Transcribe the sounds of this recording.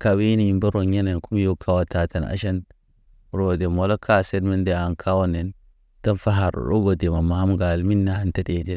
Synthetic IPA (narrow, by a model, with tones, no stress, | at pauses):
ka˨wi˦ni˨ji˨mba˦ɾo˨ɲa˦ne˨nku˦m˦jo˦kʰa˦wa˨ta˨ta˨na̰˨˦ʃa˦n | ɾo˨de˨mo˨lo˦kʰa˦se˦dme˦nde˨a˨nkʰa˦wo˦ne˨n | ta˦nfa˦ɦa˨ɾo̰˨ɾo̰˦ɡo˨de˨ma˨ma˦mɡa˨lmi˦nːa˦ha˨nta˦de˨di˦˨